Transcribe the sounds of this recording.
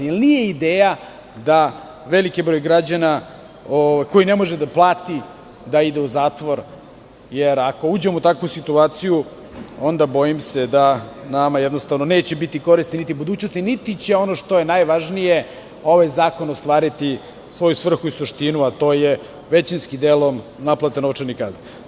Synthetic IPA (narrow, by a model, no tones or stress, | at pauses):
jelnije̞id̪eːja | d̪a | ʋe̞likibɾo̞jɡɾad͡ʑana | oʋajkojine̞mo̞ʒed̪aplˠaːt̪i | d̪aid̪euzaːt̪ʋo̞ɾ | jeɾako̞uːd͡ʑemout̪akʋusit̪uaːt̪siju | o̞nd̪abo̞jimsed̪anamajed̪nost̪avnone̞ːt͡ɕebit̪iko̞ɾisninit̪ibud̪uːt͡ɕno̞st̪init̪it͡ɕeo̞noʃt̪o̞jenajʋaʒnije | o̞ʋajzaːko̞nost̪ʋaːɾit̪i | sʋo̞jusʋr̩xuisuʃt̪inuat̪o̞ːje | ʋet͡ɕinskid̪elom | naplˠat̪enoʋt͡ʃaɾnika̰ːzi